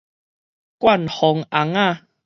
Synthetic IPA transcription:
kwa˥˨nhɔ˨˦ŋa˨˦ŋa˥˧

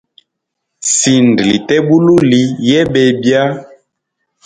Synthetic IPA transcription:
si˨n˨dlḭ˨tɛ˦bu˦lu˦li˨˦jɛ˦ɓɛ˨bja˦

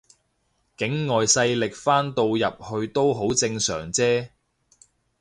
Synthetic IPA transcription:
kɪ˨˥ŋːɔː˨jsɐ˧jlɪ˨k̚faː˥nt̪o˧wjɐ˨p̚hɵ˧ɥt̪o˥wɦo˨˥wt͡sɪ˧ŋsœː˨˩ŋt͡sɛː˥

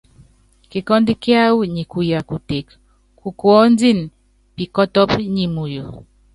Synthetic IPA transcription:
ki˨kɔ˦ndi˦kja˦wu˦ɲi˨ku˨ja˨ku˨te˨k | ku˨kwɔ˦n˦d͡zi˦˨n | pi˨kɔ˦tɔ˦pɲi˨mu˨jo˨

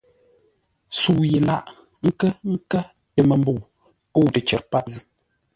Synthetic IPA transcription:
su˨je˨la˦˨ʔ | ŋ̩˦kə˦ŋ̩˦kə˦ | tə˨mə˨mbo˨ | ə˦˨wtə˨t͡ʃɛ̰˨t̚pa˦˨zɨ˨

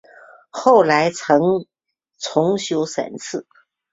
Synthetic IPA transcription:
xo˥˩ʊla˧˥ɪt͡sʰɤ˧˥ŋ | t͡sʰʊ˧˥ŋɕjo˧˥ʊsa̰˨˩nt͡sʰɹ̩˥˩

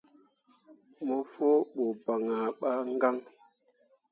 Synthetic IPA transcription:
mo˦fo˦ɓo˨ba˨ŋa˨ɓa˦ŋ˦ɡa˦ŋ

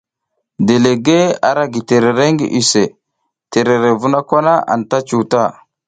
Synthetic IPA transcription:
de˨le˨ɡe˦a˨ɾa˦ɡi˨te˨ɾe˨ɾe˦ŋɡḭ˨ʔi˨se˨ | te˨ɾe˨ɾe˨vu˦na˦kʷa˦na˦ʔa̰˨nta˦t͡ʃu˨ta˦˨

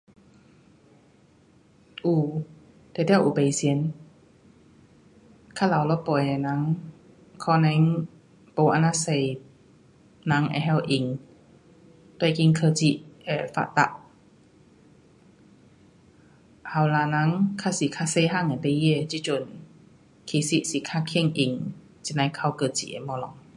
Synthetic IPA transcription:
ʔuː˧˩ | t̪ɛ˧˨t̪ʰɛː˥˧˨wʔuː˨pa˨jsi˧ə˦n | kʰaː˥˨la˨wlɔ˧˦pɔ˨jɛ˨na˧˦ŋ | kʰɔ˧na˧˦ŋ | po˧˩ʔa˧˨naː˧sa˧˨j | na˧˦ŋʔɛ̰˧˨ɦɛ˧˨wʔi˨ŋ | t̪wjki˧ŋkʰəː˧t͡ɕi˧ʔɛ˨˩fa̰˧ʔt̪a̰˧ʔ | ha˧˩wla˧na˧˥˦ŋkʰa˧˥si˧˨kʰa˧se˧jɦa˥˨ŋa˨t̪e˧ji˧˨t͡ɕi˧t͡ɕo˧˨n | kʰi˧˩si˧ʔsi˧˨kʰa˧kʰe˧˥˧ŋʔi˨ŋ | t͡ɕi˧˨na˨˧˦kʰa˧˩wkɤː˧˩t͡ɕḭ˧˨ʔɛ̰˨˧˨mɔ˧lɔ˨ŋ

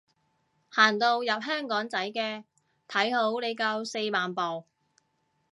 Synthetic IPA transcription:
haː˨˩nt̪o˧wjɐ˨p̚ɦœː˥ŋkɔː˨˥ŋt͡sɐ˨˥jkɛː˧ | t̪ʰɐ˨˥jho˨˥wne˨˧jkɐ˧wse˧jmaː˨npɔː˨w

